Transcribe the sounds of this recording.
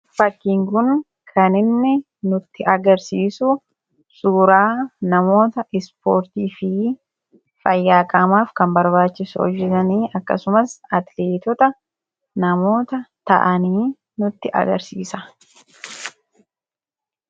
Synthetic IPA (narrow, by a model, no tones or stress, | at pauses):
fɐkːiːŋkʊn | kʰɐnɪnːɪ | nʊt̪ːɪʔɐɡɐɾsiːsʊ | suːɾaːnɐmo̞ːt̪ɐʔɪspo̰ːɾt̪iːfɪ | fɐjːaːkʼɐmaːfkɐmbɐɾbaːt͡ʃːɪsʊ̰ɔ̰d͡ʒːɛtɐniːɐkːɐ̰sʊmɐsɐt̪leːt̪ɔt̪ɐ | nɐmo̞ːt̪ɐt̪ɐ̰ʔɐniː | nʊt̪ːɪʔɐ̰ɡɐ̰ɾsḭːsɐ